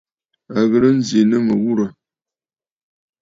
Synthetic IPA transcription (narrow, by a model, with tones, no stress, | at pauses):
a˨ɣə˨ɾə˦n̩˦ze˨nə˦mə˨ɣu˦ɾə˨